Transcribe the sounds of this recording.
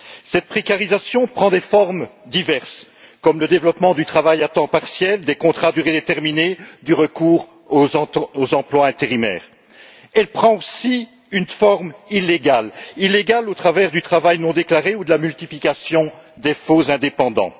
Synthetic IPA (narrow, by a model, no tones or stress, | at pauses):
sɛt̪̚pχekaʁizasjɔ̃pχɑ̃d̪efɔʁmd̪ivɛʁs | kɔmləd̪evlɔpmɑ̃d̪yt̪χavajat̪ɑ̃paʁsjɛld̪ekɔ̃t̪χad̪yʁed̪et̪ɛʁmined̪yʁəkuːʁ | oozɑ̃plwaɛ̃t̪eʁimɛ̰ːʁ | ɛlpχɑ̃osi | ynfɔʁmileɡalileɡalot̪χavɛʁd̪yt̪χavajnɔ̃d̪eklaʁeud̪əlamylt̪iplikasjɔ̃d̪efozɛ̃d̪epɑ̃d̪ɑ̰̃